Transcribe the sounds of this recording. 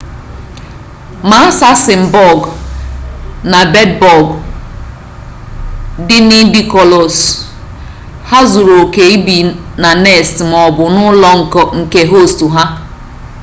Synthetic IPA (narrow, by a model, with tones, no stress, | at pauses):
ma˨˦a˦sa˦sɪ˨m̩˨bɔ˦˨ɡ | na˨be˦d̚bɔ˨ɡ | dɪ˦ni˦di˦kɔ˨lɔ˨s | ha˦zʊ˨ɾo˨ke˨i˦bi˨na˨ne˦˨stm˨ɔ˨bʊ˨nʊ˦lɔ˦ŋ̩˨ŋ̩˨ke˨ɦo˦˨stʊ˨ɦa˦